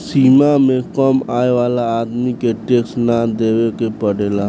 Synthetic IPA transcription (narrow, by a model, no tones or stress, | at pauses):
siːmamẽkəmaːeʋaːlaaːd̪mikeʈeːksnad̪eːwekepəɽeːla